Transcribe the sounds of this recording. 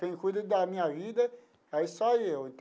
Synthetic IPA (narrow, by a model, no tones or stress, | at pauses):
t̪ẽj̃ʊkujd̪ɐd̪ɐmĩɲɐvid̪ɐ | ɛisɔewẽt̪